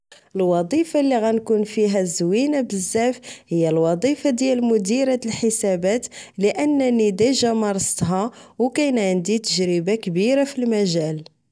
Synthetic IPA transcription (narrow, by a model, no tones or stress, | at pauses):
ʔəlwɑd̪ˤifalːiɣænkunfiɦæzːwinabəzːæfhəjːælwɑd̪ˤifɑd̪jælmʊd̪iɾæt̪əlħəsæbæt̪ləʔənːænid̪æʒæmɑɾˤsˤt̪ɦɑwkæjnʕənd̪it̪əʒɾəbakbiɾafilmæʒæl